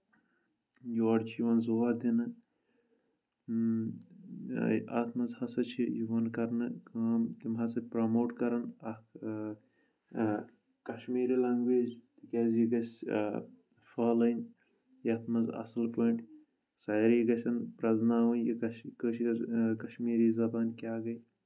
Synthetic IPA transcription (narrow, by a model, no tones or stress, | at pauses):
juɐɖt͡ʃʰjiʋɐnzoʋad̪inɨ | aːt̪ʰmɐzhɐsɐt͡ʃʰijiʋɐnkɐɾnɨkaːmt̪imɦɐsɐpɾɐmoːʈkɐɾɐnɐ | kɐʃmiːɾilaːŋɡʋeːd͡ʒt̪ikʲeːzjiɡɐsʲ | faːlɐnʲ | jɐːt̪ʰmɐzɐ̰sɐlpoɳʈ | sɐːjɾiɡɐsʲɐnpɾɐznaːʋɐnjikɐkəʃikɐʃmiːɾiːzɐbaːnkʲaːɡɐj